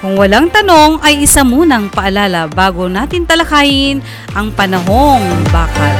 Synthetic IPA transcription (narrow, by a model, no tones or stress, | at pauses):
kʊŋwɐlaŋt̪ɐno̞ŋʔɐjʔɪsamuːnɐŋpɐʔɐlaːlɐbaːɡonaːt̪ɪnt̪ɐlɐkaːhɪn | ʔɐŋpɐnɐɦo̞ŋbaːkɐ